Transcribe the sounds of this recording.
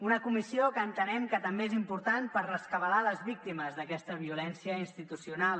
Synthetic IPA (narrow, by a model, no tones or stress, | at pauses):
unəkumisiokəːnt̪ənɛmkət̪əmbeezimpuɾt̪anpəɾrəskəβəlaləzβik̚t̪iməzðəkɛst̪əβ̞iulɛnsiəinst̪it̪usiunalˠ